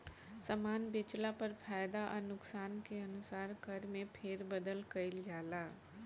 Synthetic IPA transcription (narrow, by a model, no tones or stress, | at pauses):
səmaːnbɪt͡ʃlapəɾpʰaːjd̪aʔɔnʊksaːnkeɐnʊsaːɾkəɾmẽpʰeːɾbəd̪əlkɐɪld͡ʒaːlaː